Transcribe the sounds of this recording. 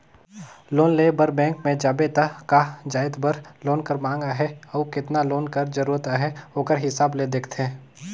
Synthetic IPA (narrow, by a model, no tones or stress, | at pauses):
loːnleːbəɾbɛ̃ːŋkmẽd͡ʒaːbet̪əkad͡ʒaːɪd̪bəɾloːnkəɾmãːŋɡaɦɛɔkɪt̪naloːnkəɾd͡ʒəɾuːɾət̪aɦɛoːkəɾɦɪsaːbled̪eːkʰt̪ʰẽː